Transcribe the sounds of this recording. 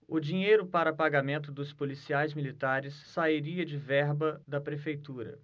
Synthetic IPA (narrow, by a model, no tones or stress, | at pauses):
ʊd͡ʒĩɲejɾʊpaɾɐpaɡamẽnt̪ʊd̪ʊspolisiajzmilit̪aɾɪsːaiɾiɐd͡ʒɪvɛɾbɐd̪ɐpɾefejt̪uɾɐ̰